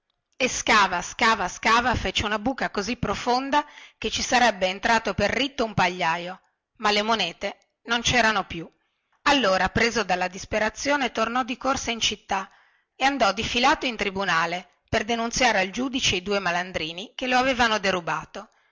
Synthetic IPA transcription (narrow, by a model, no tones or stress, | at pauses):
eskaːvaskaːvaskaːvafet͡ʃeunabuːkakozipːɾofond̪aket͡ʃːisaɾɛbːeːnt̪ɾaːt̪operːit̪ːoumpaʎːaːjo | malːemonɛːt̪e | nont͡ʃɛːɾanopju | alːoːɾapɾeːzod̪alːad̪ispeɾat̪sːjoːnet̪ornɔd̪ikorsaint͡ʃit̪ːa | eand̪ɔd̪ifilaːt̪oint̪ɾibunaːle | perd̪enunt̪sjaːɾeald͡ʒuːd̪it͡ʃeid̪uːemaland̪ɾiːnikeloaveːvanod̪eɾubaːt̪o